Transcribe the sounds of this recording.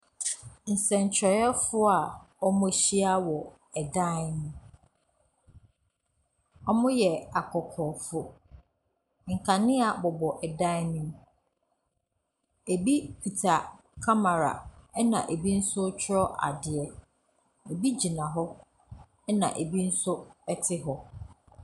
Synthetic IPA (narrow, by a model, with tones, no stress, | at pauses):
n̩˨sɛ̃˨ɲ˨t͡ɕʰɾɔ˨jɛ˦fʊ˦a˨ | ɔ˦mʊ̃˦ɕi˦a˦wɔ˨ | ɛ˨dã˦nʊ̃˦m | ɔ˦mʊ̃˦jɛ˨a˨kʰɔ˨kʰɔː˨fʊ˦ | ŋ̩˨kʰa˨nɪ̃˦a˨bɔ˨bɔ˨ʔɛ˨dã˦nũ˦m | e˨bi˦pʰi˨tʰa˨ | kʰa˦ma˨ɾa̰˨ɛ˦nã̰˨ʔe˨bi˦n̩˦sʊ˦t͡ɕʰɾɔ˦ʔa̰˨dɪ˨ɛ˨ | e˨bi˦d͡ʑi˨nã˨ɦɔ˦ | ɛ˦nã̰˨ʔe˨bi˦n̩˦sʊ˦ɛ˦tʰɪ˦ɦɔ˦